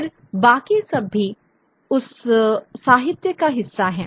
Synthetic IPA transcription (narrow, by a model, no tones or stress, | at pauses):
ɾ | baːkisɐbːi | ʊsː | aːɦɪt̪jəkaɦɪsːaɦɛ̃ː